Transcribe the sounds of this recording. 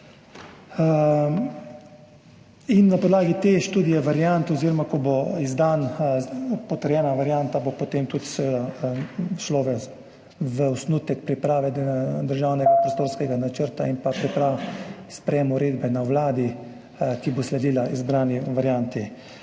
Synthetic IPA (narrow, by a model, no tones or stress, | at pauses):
inːapoɔd̪laːɡit̪eʃt̪uːd̪ijɛʋaɾjant̪ɔziːɾɔmakɔboizd̪an | pɔt̪əɾjɛːnaʋaɾjant̪abopot̪eːmt̪ut̪sɛʋeːd̪a | ʃloʋə | ʋəɔsnut̪ɛk̚pɾipɾaːʋɛd̪əɾʒaːwnɛɡapɾost̪oːɾskɛɡanat͡ʃəɾt̪ainpapɾipɾaspɾɛjɛːmɔɾeːd̪bɛnawlaːd̪i | kiboslɛd̪iːlaʔizbɾaːniʋaɾjant̪i